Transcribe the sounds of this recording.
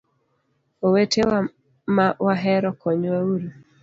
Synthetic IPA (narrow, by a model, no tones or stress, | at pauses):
owetʰe | mawaɦɛɾɔkɔɲwauɾi